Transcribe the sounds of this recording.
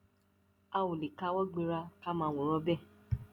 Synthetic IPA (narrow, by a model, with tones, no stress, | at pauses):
a˧wõ˨li˨ka˧˦wɔ˦ɡ͡bĩ˧ɾa˧ka˦mãː˨˧wõ˨ɾ̃ɔ̃˧˦bɛ˦˨